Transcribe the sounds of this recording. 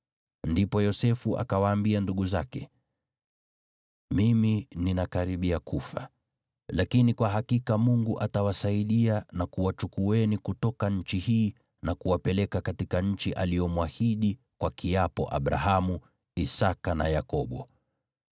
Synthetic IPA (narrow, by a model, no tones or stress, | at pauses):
ndipɔjɔsɛfuʔa̰kawaːmbianduɠuzakɛ | mimininakaɾiɓiakʰufa̰ | lakinikwaɦakikamuŋɡuʔatawasaiɗianakuwat͡ʃukuɛnikutɔkaɲ̩t͡ʃihiː | nakuwapɛlɛkakatikaɲ̩t͡ʃiʔalijɔmwahiɗi | kwakiapɔ̰ʔa̰ɓɾa̰ɦamu | isakana̰jakɔɓɔ